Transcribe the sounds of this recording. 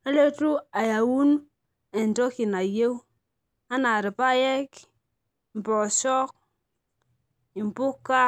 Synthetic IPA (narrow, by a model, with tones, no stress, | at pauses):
a˦le˦tu˦a˨ja˨wu˦n | e˨n˨tɔ˦ki˨na˨je˦w | a˦na˨ɾi˨pa˦je˦k | m˨pɔ˨ʃɔ˦k̚ | i˨m˨pu˦kːa˦